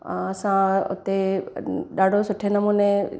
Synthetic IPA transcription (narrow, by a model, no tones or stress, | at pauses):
ɐsãʊ̰t̪e | ɗaːɖʱosʊʈʰenɐmuːne